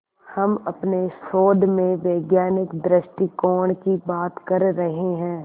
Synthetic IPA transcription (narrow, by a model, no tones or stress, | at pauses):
hɐmɐpneʃoːd̪ʱmẽʋeːɡjaːnɪkd̪ɾɪʃʈikɔːɳ̃kibaːt̪kɐɾːɐɦeɦɛ̃ː